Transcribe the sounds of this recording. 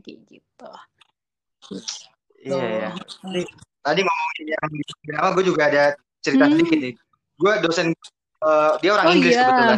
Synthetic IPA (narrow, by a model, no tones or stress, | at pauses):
ɡḭɡḭt̪u | ijajaatit̪adimomaŋjaŋdisikubinamaɡuad͡ʒuɡaːda | t͡ʃəɾit̪aslikɪt̪nɪt̪u̥ | ɡuadosɛn | əːdiaoɾaŋiŋɡlɪsiuua